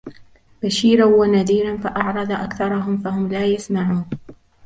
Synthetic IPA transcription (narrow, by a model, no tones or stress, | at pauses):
baʃiːɾawanaðiːɾanfaʔɑʕɾˤɑd̪ˤʔakθɑɾˤɑɦʊmfahʊmlaːjasmaʕuːn